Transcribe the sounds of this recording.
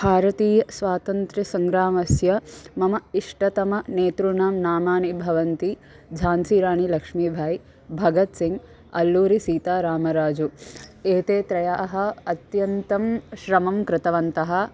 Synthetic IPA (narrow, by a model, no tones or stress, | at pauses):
bʱaːɾɐt̪iːjɐsʋaːt̪ɐnt̪ɾɐsɐŋɡɾaːmɐsjɐmɐmɐiʂʈɐt̪ɐmɐneːt̪ɾuɳaːmnaːmaːnibʱɐʋɐnt̪i | d͡ʒʱaːnsiːɾaːɳilɐkʂmiːbʱaːj | bʱɐɡɐt̪siŋɡ | ɐ̰lːuːɾisiːt̪aːɾaːmɐɾaːd͡ʒueːt̪eːt̪ɾɐjaːʔɐɦɐ̆ɐt̪jɐnt̪ɐmʃɾɐmɐmkɾɪt̪ɐʋɐnt̪ɐɦɐ̆